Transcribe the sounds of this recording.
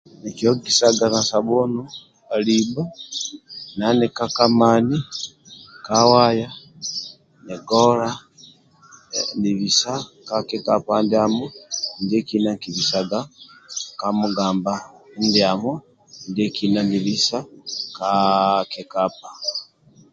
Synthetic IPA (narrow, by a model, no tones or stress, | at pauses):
nekiokisaɡanasaβonu | aliba | nanekakamaːni | kawaja | neɡoɾa | ndiβisakakekapandiamondekinakiβisaɡa | kamuɡaːmbandiamo | ndekinandiβisakakekap̚a